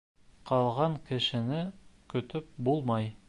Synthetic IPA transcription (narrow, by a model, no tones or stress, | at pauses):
qʰɑlˠʁɑŋkɘ̆ʃɘ̆nɘkɵ̆t̪ɵp̚bulˠmɑj